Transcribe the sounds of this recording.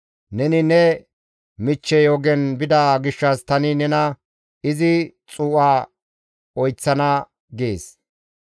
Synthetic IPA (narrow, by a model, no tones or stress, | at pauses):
nɛnɪnɛ | mɪt͡ʃːɛjoːɡɛnbɪd̪aɡɪʃːɐst̪ɐnɪnɛnɐ | ɪzɪ | t͡sʼuːʔaː | ɔjt͡sːɐnɐ | ɡeːs